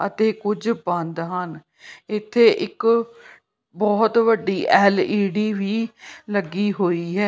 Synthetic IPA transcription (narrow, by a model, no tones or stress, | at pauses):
ət̪eːkʊd͡ʒbə̃nd̪ɦən | ɪt̪ʰːeːʔɪk | bɔːt̪ʋəɖːiːʔɛːliːɖiːʋiːləɡiːɦoːiːɦɛː